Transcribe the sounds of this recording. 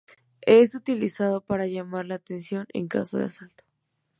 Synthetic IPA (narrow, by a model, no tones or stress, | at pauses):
esut̪ilisað̞o̞paɾaʝamaɾlaːt̪ensjo̞nḛŋka̰soðeasalt̪o̥